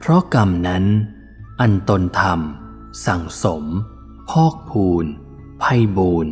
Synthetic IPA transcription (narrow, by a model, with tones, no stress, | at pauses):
pʰɾɔ˦˥ka˧mna˦˥n | ʔa˧nt̪o˧nt̪ʰa˧m | sa˩˦ŋso˩˦m | pʰɔː˥˩k̚pʰuː˧n | pʰa˧jbuː˧n